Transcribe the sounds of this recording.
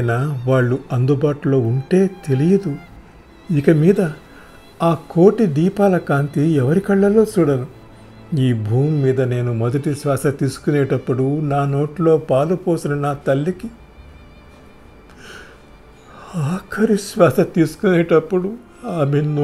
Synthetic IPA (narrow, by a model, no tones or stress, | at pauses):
naʋaːɭːuɐnd̪ubaːʈulo̞ːuɳʈe̞ːt̪e̞lijɐd̪u | ikɐmiːd̪ɐ | aːko̞ːʈid̪iːpaːlɐkaːnt̪iɛʋɐɾikɐɭːɐlo̞ːt͡ʃuːɽɐnu | iːbʱuːmːiːd̪ɐne̞ːnumɐd̪ɐʈiʃʋaːsɐt̪iːsu̥kuneːʈɐpːuɽunaːno̞ːʈlo̞ːpaːlupo̞ːsinɐnaːt̪ɐlːiki | aːkʰɐɾiʃʋaːsɐt̪iːsu̥kuneːʈɐpːuɽu | aːmenː